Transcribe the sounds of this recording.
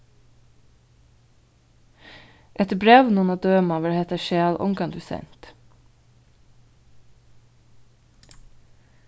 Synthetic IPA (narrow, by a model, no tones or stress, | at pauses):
ʔɛt̪bɾeːʋnɔnɑd̪øːmɑʋəɾhɛt̪əʃeːlʔɔ̰ŋɡɑnd̪ʉsɛ̰nt̪